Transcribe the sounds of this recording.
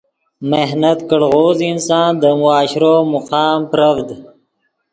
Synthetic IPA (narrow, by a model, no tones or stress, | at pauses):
meɦnət̪kəɽɣoːzinsɑ̃ːnd̪əmʊaːɕɾoːmʊqɑːmpɾəvd̪